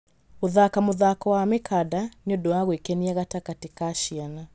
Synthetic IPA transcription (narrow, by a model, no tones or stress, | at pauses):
oðakamʊðakɔwamɪkʰadaniɔdɔaɣwekɛniaɣatakatikaʃiana